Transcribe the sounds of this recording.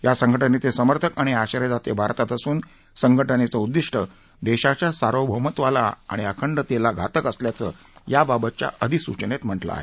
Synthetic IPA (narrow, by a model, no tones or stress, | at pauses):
jasəŋɡʱəʈənet̪esəməɾt̪ʰəkaɽ̃iaɕəɾəd̪at̪ebʱaɾt̪at̪əsuːn | səŋɡʱəʈənet͡səud̪ːiʂʈə | d̪eɕat͡ɕasaɾowbʱəmət̪ʋala̰a̰ɽ̃iakʰəɳɖət̪elaɡʱat̪əkəsljat͡sə̰ːjababət̪̚t͡ɕa̰əd̪ʱisut͡ɕənet̪m̤əʈla̰a̰ɦe